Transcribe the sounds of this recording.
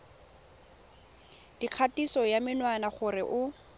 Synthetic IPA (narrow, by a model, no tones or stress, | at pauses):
d̥iq͡χʰatisɔjamɪnwanaχʊrɪʔʊ